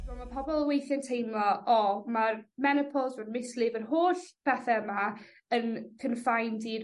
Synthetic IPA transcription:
vɔmapʰɔbɔlˠəwejθjəntʰejmlˠɔʔɔmarmɛnəpʰɔlˠzvədmɪslɪvərɦoːɬpʰɛθɛəma | ənkʰənfajndi

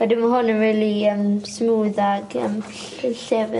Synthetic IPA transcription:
wɛdɪmaɦʊnənɹiːliəmsmuːðaɡə̰m | ɬɛvɪ

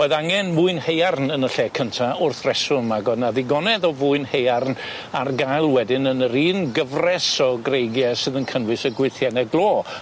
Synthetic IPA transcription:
oɨðaŋɛnmʊɨnhejarnənəɬɛkʰəntʰaʊrθrɛsʊnmaɡɔdnaðɪɡɔnɛðɔvʊɨnhejarn | arɡajlˠwɛdɪnənəɾiːnɡəvrɛsɔɡrejɡjɛsɨðənkʰənwɨsəɡwɪθjɛnɛɡlˠoː

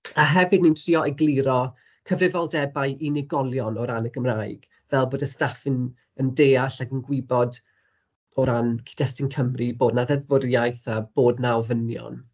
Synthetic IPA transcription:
aɦɛvɨdnintʰriːɔʔɛɡlˠɪɾɔ | kʰəvrɪvɔlˠdɛbajʔinɪɡɔlˠjɔnɔɾanəɡəmraɨɡ̥ | vɛlˠboːdəstafɪn | əndeːaɬaɡənɡwɪbɔd | ɔɾankʰi̥d̥ɛstɪnkʰəmriboːdnaðɛvʊrjajθəb̥oːdnawvənjɔ̰n

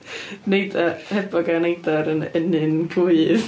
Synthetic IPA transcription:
nejdahɛbɔɡanejdaɾənɛnɨnɡʰuɨð

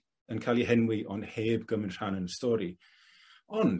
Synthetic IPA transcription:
ənkʰalˠiɦɛnwiʔɔnheːbɡəmɪnr̥anənstɔːɾi | ɔn

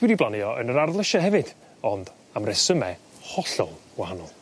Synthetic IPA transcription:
wɪdiblˠanɨɔʔə̰nəɾarðlˠəʃahɦɛvɨd̥ | ɔnd | amrɛsəmɛ | hɔɬɔ̰lˠwahanɔlˠ

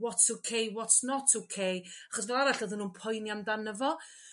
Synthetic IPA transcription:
wɔtsowkʰejwɔtsnɔtʰowkʰejaχɔsvlˠaɾaɬəðɪnuːnpʰɔjniamdanəvɔ

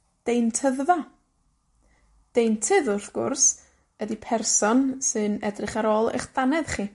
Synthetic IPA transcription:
d̥ejntʰəððɔ | d̥ejntʰɨðʊrθɡ̥ʊ̰rs | ədipʰɛrsɔnsɨnɛ̰drɪχaɾɔːlˠḛjχd̥anɛðχiː

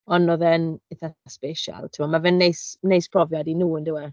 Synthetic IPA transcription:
ɔnɔðɛnɪθaspeʃa̰lˠtʰɪmɔmavɛnːejsnejspʰrɔvjadinuːəndɪwa

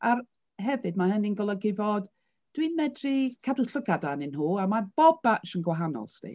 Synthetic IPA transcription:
ar | ɦɛvɨd̚mahəninɡɔlˠəɡɪvɔd | d̥winmɛdrikʰaduɬəɡadanɪnɦuːamarb̥ɔb̚bat͡ʃənɡwaɦanɔ̰lˠstʰḭ

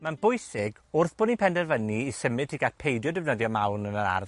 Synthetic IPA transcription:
manbʊjsɪɡʊrθb̥ʊninpʰɛndɛrvəniːsəmɪdʰiɡatpʰejdjɔdɪvnəðjɔmawnənəɾa̰r

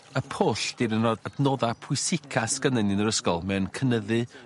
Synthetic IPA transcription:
əpʰoːɬd̥iɾənɔdadnoːðapʰʊɨsɪkʰasɡənənɨnəɾəskɔlˠmɛnkʰənəðɨ

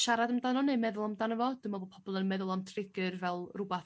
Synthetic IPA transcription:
ʃaɾadəmdanɔnɨmɛðʊlˠamdanəvɔd̥əmabopʰɔb̥ɔlˠənmɛðʊlˠamtʰrɪɡɨrvɛlˠrʊbaθ

